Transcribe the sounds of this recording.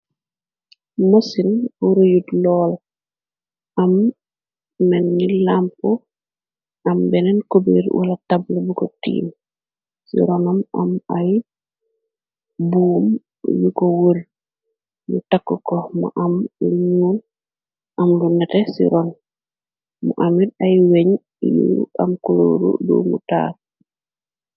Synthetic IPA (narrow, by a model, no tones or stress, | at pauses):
mosinuɾojudlɔːl | am | menːilampu | ambɛnenkobḛɾwa̰latablebukotḭːm | sḭɾonama̰maj | buːm | jukowul | jutakːokɔmaʔamluɲuːl | ʔamlunɛtesḭɾon | muʔamidajweɲ | jṵa̰mkulo̰ːɾṵdo̰mṵta̰ːl